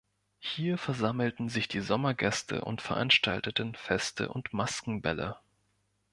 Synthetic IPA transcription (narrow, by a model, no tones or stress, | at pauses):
hiːɐfɛɐzaml̩tn̩zɪçd̥iːzɔmɐɡɛstʰə̰ʔʊ̰ntfɛɐʔa̰nʃta̰ltətn̩fɛstʰə̰ʔʊntmaskŋ̩bɛlə̰